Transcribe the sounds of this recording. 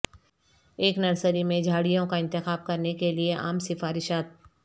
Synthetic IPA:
eːknɐɾsəɾimẽd͡ʒʱaːɽijõkaɪ̃nt̪ɪxaːb̚kɐɾnekelieʔa̰ːmsɪfaːɾɪʃaːt̪̚

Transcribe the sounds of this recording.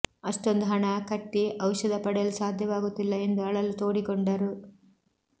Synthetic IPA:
ɐʂʈond̪uɦɐɳɐkɐʈːiʔɐwʃɐd̪ɐpɐɽjɐlusaːd̪ʱjɐʋaːɡut̪ːilːɐe̞nd̪uɐɭɐlut̪o̞ːɽikɔɳɖɐɾu

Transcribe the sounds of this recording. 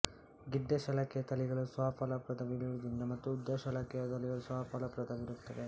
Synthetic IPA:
ɡiɖːɐʃɐlɐkɛjɐt̪ɐliɡɐɭusʋaːpalɐpɾɐd̪ʰɐʋiliɾud̪ind̪ɐmɐt̪ːuːd̪jɐʃɐlakɛjɐt̪ɐliɡɐɭusʋaːpʰalɐpɾɐd̪ɐʋiɾut̪ːɐd̪e

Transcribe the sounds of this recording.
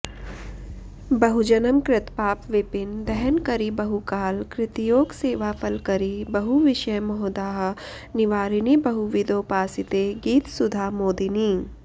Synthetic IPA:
bɐɦud͡ʒɐnəmkɾɪt̪paːpʋɪpɪnd̪ɛɦɛnkɐɾibɐɦukaːlkɾɪt̪ijoːɡseːʋapʰɐlkɐɾibɐɦuʋɪʃəjmɔɦd̪aːɦ | nɪʋaːɾinibɐɦuʋɪd̪oːpaːsɪt̪eɡiːt̪sʊd̪ʱaːmoːd̪iniː

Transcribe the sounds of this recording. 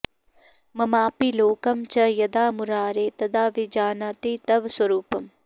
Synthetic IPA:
mɐmaːpiloːkɐmt͡ʃɐjɐd̪aːmuɾaːɾeːt̪ɐd̪aːʋid͡ʒaːnat̪iːt̪ɐʋswɐɾuːpɐm

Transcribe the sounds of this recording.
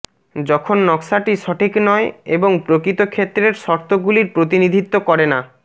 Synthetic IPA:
d͡ʑɔkʰonːɔksaʈiʃɔʈʰiknɔeeboŋpɾokɾit̪okʰet̪ːɾeɾʃɔɾt̪ʰoɡuliɾpɾot̪̬inid̪ʱit̪ːokɔɾena

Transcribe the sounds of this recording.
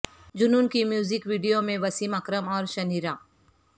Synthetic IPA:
d͡ʒʊnuːnkimjuːzɪkʋiːɖijomẽʋɐsiːmɐkɾəmɔːɾʃɐniːɾãː

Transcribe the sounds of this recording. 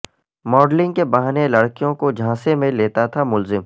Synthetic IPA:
mɔːɖlɪ̃ŋɡkebaɦnelɐɽkijõkod͡ʒʱãːsemẽleːt̪at̪ʰamʊlzɪm

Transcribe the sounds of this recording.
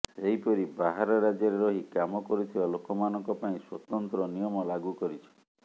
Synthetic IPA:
seɦipɔɾibaɦaɾɔɾad͡ʒjɔɾeɾɔɦikamɔkɔɾut̪ʰibalokɔmanɔŋkɔpaĩswɔt̪ɔnt̪ɾɔnijɔmɔlaɡukɔɾit͡ʃʰɔ̥

